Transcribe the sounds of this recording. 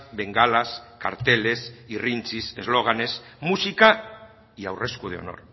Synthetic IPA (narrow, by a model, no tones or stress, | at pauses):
beŋɡalaska̰ɾt̪elesirint͡sisezloɣ̞anesmusika | ia̰wreskuð̞eo̰no̰ɾ